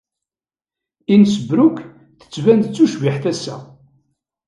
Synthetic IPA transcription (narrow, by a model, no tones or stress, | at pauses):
insəbɾʊkː | θə̥t͡sːvænd̪ət͡sːuʃviħθæsːæ̰